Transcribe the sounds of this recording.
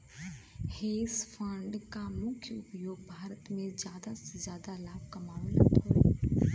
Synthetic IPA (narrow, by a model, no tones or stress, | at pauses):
heːsfʰə̃ɳɖkamʊkʰjəʊpjoːɡ̚bʱaːɾət̪mẽzjaːd̪asezjaːd̪alaːbkɐmaːʋnə̰t̪ʰo